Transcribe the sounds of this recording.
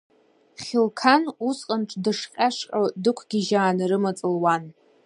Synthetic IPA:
χʲɪlkʰanusqʼənʈ͡ʂʰʼdɨʂqʲʼaʂqʼadɨkʷʰɡʲiʒaːnɨɾɨmat͡sʼɨlwan

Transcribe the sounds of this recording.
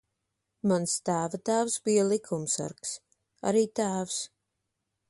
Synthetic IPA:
manst̪aːvat̪aːvsbijalˠikʰumsa̰ɾks | a̰ɾiːt̪aːvs

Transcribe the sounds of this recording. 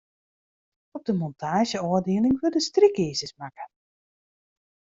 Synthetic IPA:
ɔb̚dəmɔntʰaːʒjəɔːədiəlɪŋʋødəstrikiːzəsmakə

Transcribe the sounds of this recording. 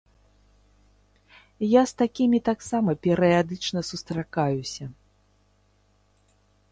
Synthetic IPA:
jast̪akʲimʲit̪aksamɐpʲɛɾɨjad̪ɨt͡ʂnɐsust̪ɾakajusʲɐ

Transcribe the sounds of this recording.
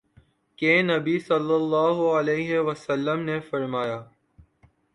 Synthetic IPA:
kẽːnɐbisɐlːəlːaːɦʊɐleːɦeʋəsəlːəmnefɐɾmaːjaː

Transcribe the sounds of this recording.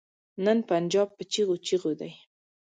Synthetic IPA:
nənpand͡ʒɑb̚ːət͡ʃiɣot͡ʃiɣod̪aj

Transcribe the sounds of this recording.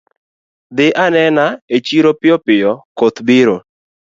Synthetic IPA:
d̪ɪʔanɛnaet͡ʃiɾopɪɔpɪjɔkot̪biɾo

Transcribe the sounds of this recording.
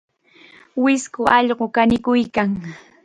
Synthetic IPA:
wɪskʊʔɑʎɢokanɪkʊjkaŋ

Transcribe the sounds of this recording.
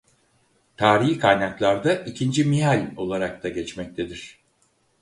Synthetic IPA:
t̪ʰaːɾiikʰajnaklˠaɾd̪aʔicʰind͡ʒimiɦalʲo̞lˠaɾak̚t̪ʰaɟɛt͡ʃmɛc̚t̪ʰe̞d̪iɾ̥

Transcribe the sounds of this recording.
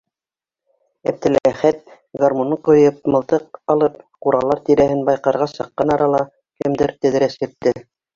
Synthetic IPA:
æ̰p̚t̪ɘ̆lææχæt̪̚ | ɡarmonɤqŏjɤp̚mɤ̆lˠt̪ɤq̚ɑlˠɤp̚quɾɑlˠːɑɾt̪iɾæhɘnbɑjqɑɾʁɑsɑqːɑnɑɾɑlˠɑ | kɘ̆md̪ɘɾt̪ɘ̆ðɾæsjɘ̆k̚t̪ːɘ

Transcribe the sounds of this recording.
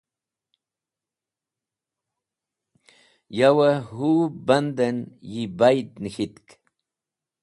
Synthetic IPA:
jawahuband̪anjɪbajt̪nɪkɪt̪k

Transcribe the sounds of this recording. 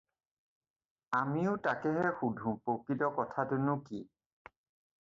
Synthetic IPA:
amiʊtakɛɦɛxudʱũpokitɔkɔtʰatʊnʊki

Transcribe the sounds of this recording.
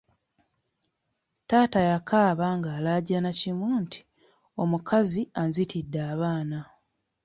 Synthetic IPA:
taːtajakʰaːβaŋɡaːlaɟanacimuːntʰi̥ | o̞mukʰazianzitʰidːaːβaːna

